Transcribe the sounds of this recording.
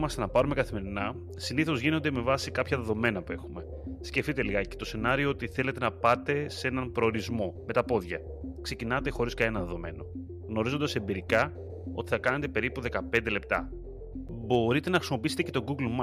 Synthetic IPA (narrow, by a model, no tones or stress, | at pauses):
mɐst̪e̞nɐpɐɾume̞kɐθime̞ɾinɐ | siniθo̞zʝino̞nd̪e̞me̞vɐsikɐpçɐðe̞ðo̞me̞nɐpue̞xume̞ | sceft̪it̪e̞liɣɐce̞̥t̪o̞se̞nɐɾio̞ot̪iθe̞le̞t̪e̞nɐpɐt̪e̞se̞nɐmpɾo̞ːɾizmo̞me̞t̪ɐpo̞ðʝɐ̰ | kse̞cinɐt̪e̞xo̞ɾiskɐenɐðe̞ðo̞me̞̰no̞ | ɣno̞ɾizo̞nd̪ɐse̞mbiɾikɐ | o̞̰t̪iθɐkɐne̞t̪e̞pe̞ɾipuðe̞kɐpe̞nd̪e̞le̞p̚t̪ɐ | bo̞ɾit̪e̞nɐxɾisimo̞piise̥t̪ecet̪o̞ɡuɡlmɐ